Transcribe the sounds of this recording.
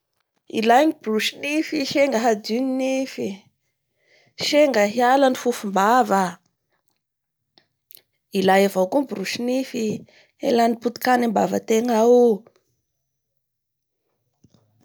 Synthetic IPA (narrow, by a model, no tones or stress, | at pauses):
ḭlajɲibiruʃinifiʃeŋɡəɦadininifi | ʃeŋɡəɦialanifufumbavə | ilajavowkumbuɾuʃinifi | ḛlaniput̪i̥kanimbavə̰t̪eŋau